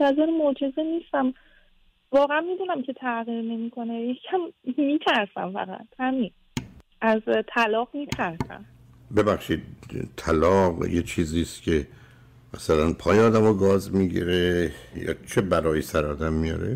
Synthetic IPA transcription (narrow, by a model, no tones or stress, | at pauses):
æzeɾmod͡ʒe̞zeniːst̪æm | vɒːɣæænmid̪uːnæmcʰe̞t̪ʰæɣiːɾne̞mikʰo̞nejecʰːæmːiːt̪ʰæɾsæ̰mfæ̰ɣæ̰t̪ʰhæmin | ʔæzt̪ʰælɒːɣmiːt̪ʰæɾsæ̰m | be̞bæxʃiːd̪̚t̪ʰælɒːqjet͡ʃʰiːziːst̪cʲʰe̞ | mæsælænpʰɒːjeɒːd̪æmɒːɡɒːzmiɡḭɾejɒ̰ːt͡ʃʰe̞bæɾɒːjesæɾɒːd̪æmːijɒ̰ɾḛ